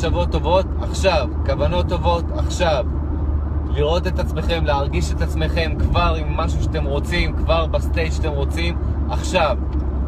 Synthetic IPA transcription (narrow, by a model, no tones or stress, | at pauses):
ʃavo̞tːo̞vo̞taχʃavkavano̞t̪ːo̞vo̞t̪ʰaχʃav | liʁo̞t̪e̞t̪at͡sme̞χe̞mleaʁɡiʃetat͡sme̞χe̞mkvaʁimːaʃuʃeat̪e̞mʁo̞t͡simkvaʁbast̪ejtʃat̪e̞mʁo̞t͡sim | aχʃav